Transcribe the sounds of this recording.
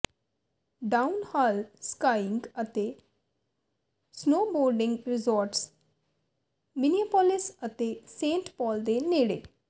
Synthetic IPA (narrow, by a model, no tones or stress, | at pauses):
ɖaːʊnhaːlskaːɪŋɡət̪eː | snoːboːɾɖɪ̃ŋɡɾɪzoːɾʈs | mɪniəpɔlɪsət̪eːsẽːɳʈpɔːld̪eːneːɽḛː